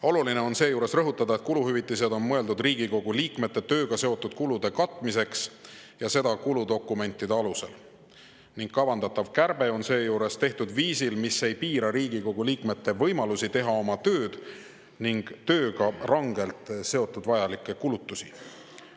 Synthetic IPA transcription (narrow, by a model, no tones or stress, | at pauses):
o̞luline̞o̞nse̞ːjuːɾe̞srɤɦut̪ːˑɑd̪ɑet̪̚kuluɦyvit̪ːˑised̪o̞nmɤe̞ld̪ud̪riːɡiko̞ɡ̥uliːkme̞t̪ːe̞t̪ø̞ːɡ̥ɑse̞o̞t̪ːˑud̪̥̚kulud̪̥e̞kɑt̪ˑːmise̞ksjɑse̞d̪̥ɑkulud̪o̞kːˑume̞nʲt̪ːˑid̪e̞ɑluse̞l | niŋɡ̥kɑvɑnd̪ɑt̪ːˑɑvkærb̥e̞o̞nse̞ːjuːɾe̞st̪e̞ht̪ud̪viːsilmisːe̞jpiːɾɑɾiːɡ̥iko̞ɡ̥uliːkme̞t̪ːe̞vɤ̞jmɑlusit̪e̞ɦɑo̞mɑt̪ø̞ːd̪̥ | niŋɡ̥t̪ø̞ːɡ̥ɑrɑŋɡe̞lt̪ˑse̞o̞t̪ːˑud̪vɑjɑlikːˑekulut̪ːˑusi